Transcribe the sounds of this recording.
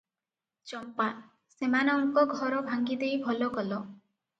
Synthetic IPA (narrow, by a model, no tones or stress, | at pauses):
t͡ʃɔmpa | semanɔuŋkɔɡʱɔɾɔbʱaŋɡid̪ejbʱɔlɔɡɔlɔ